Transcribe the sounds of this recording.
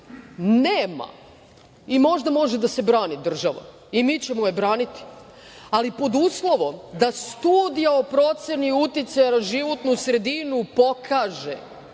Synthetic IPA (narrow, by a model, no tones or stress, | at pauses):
neːma̰ | imo̞ʒd̪amo̞ʒed̪ase̞bɾaːnid̪r̩ʒaʋa̰ | imit͡ɕe̞mojebɾaːnit̪i̥ | alipo̞d̪uːslˠo̞ʋo̞md̪ast̪uːd̪ijao̞pɾo̞t̪se̞niut̪it̪sajanaʒiʋo̞t̪nusɾe̞d̪inupo̞kʰaːʒe